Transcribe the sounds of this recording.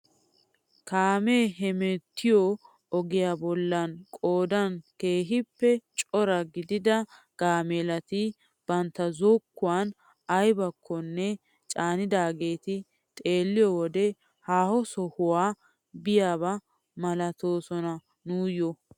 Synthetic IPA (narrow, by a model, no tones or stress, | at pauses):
kaːmeːɦɛmɛt̪ʰːɪjɔ | ɔɡɪjaːbɔlːɐnkʼoːd̪ɐnke̞ːɦɪpːɛt͡ʃʼɔɾɐɡɪd̪ɪd̪ɐ | ɡ̥aːmeːlɐt̪ɪ | b̥ɐnt̪ːɐzokːʊwaːn | ɐjbɐkʰːɔnːɛ | t͡ʃʼaːnɪd̪aːɡe̞ːt̪ɪ | t̪ʼe̞ːlːɪjɔwɔd̪ɛ | haːhɔsɔhʊwaː | bɪjaːbɐ | mɐlɐt̪o̞ːsɔnɐ | nuːjɔ